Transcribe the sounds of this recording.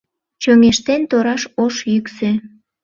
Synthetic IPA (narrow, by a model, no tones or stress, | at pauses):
t͡ɕøŋeʃt̪ent̪oɾɑʃoʃjykse